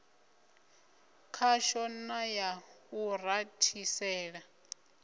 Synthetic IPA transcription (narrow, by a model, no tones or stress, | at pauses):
kʰaʃɔnajauratʰisɛːɺa